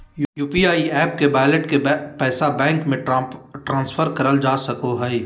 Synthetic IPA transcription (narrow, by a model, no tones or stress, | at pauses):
jjuːpiaːiɛːp̚kebaːləʈkepɛːsabɛ̃ːŋkmẽʈɾãːnsfʰəɾkɐɾəld͡ʒaːsɐkoɦɛi